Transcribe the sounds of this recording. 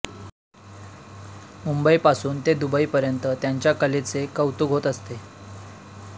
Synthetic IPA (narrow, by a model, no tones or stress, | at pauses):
mumbəipasuːnt̪ed̪ubəipəɾjənt̪ət̪jaɲt͡ɕjakəlet͡sekəwt̪uɡʱɦot̪əst̪e